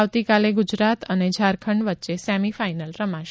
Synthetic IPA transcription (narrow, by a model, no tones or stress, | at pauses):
aʋt̪ikaleɡud͡ʒɾat̪əned͡ʒʱaɾkʰəɳɖʋətːʃesɛmifainəlɾəmaʃ